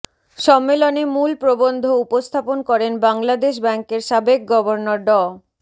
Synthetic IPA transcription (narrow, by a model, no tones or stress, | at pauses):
ʃɔmːelonemulpɾobond̪ʱoupost̪ʰaponkɔɾenbaŋlad̪eʃ̬bɛŋkeɾʃabek̚ɡɔboɾnoɾɖɔ